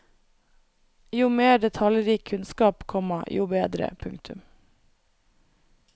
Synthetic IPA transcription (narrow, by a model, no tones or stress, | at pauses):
juːmeːɖɛt̪ʰɑljɾiːkʰʉnskɑːpkʰɔməjuːbeːd̪ɾə̰pʰʉŋkt̪ʰʉm